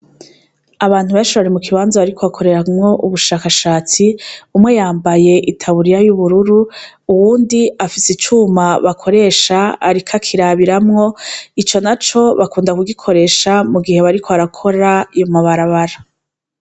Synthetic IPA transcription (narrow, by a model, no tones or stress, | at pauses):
aβaːn̥huβaʃiaɾimukiβaːnzaβaɾikʰoβakʰo̞ɾe̞ɾamŋo̞ʔuβuʃaːkaʃaːt͡siumŋe̞jaːmbaje̞ʔitʰaβuɾijajuβuɾuɾuuwuːndiafisit͡ʃuːmaβakʰo̞ɾe̞ːʃaːɾikʰakʰiɾaβiɾamŋo̞it͡ʃo̞nat͡ʃo̞βakuːndakuɡikʰo̞ɾe̞ːʃamuɡihe̞βaɾikʰoaɾakʰo̞ɾajomaβaɾaβaɾa